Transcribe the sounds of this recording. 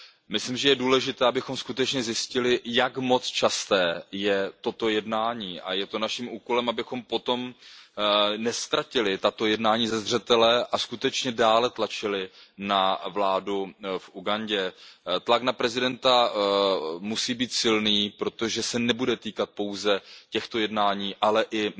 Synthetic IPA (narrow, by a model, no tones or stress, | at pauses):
mɪslimʒɛjɛduːlɛʒɪt̪ɛːabɪxo̞mskut̪ɛt͡ʃɲɛzjɪscɪlɪjakmo̞t͡st͡ʃast̪ɛːjɛt̪o̞t̪o̞jɛdnaːɲiːʔa̰jɛt̪o̞naʃimuːko̞lɛmabɪxo̞mpo̞t̪o̞m | nɛst̪ɾacɪlɪt̪at̪o̞jɛdnaːɲiːzɛzr̝ɛt̪ɛlɛʔaskut̪ɛt͡ʃɲɛdaːlɛt̪lat͡ʃɪlɪnavlaːdufʔuɡaɲɟɛt̪laknapɾɛzɪdɛnt̪a | musiːbiːt̪sɪlniːpɾo̞t̪o̞ʒɛsɛnɛbudɛt̪iːkat̪̚po̞wzɛcɛxt̪o̞jɛdnaːɲiːʔalɛʔɪ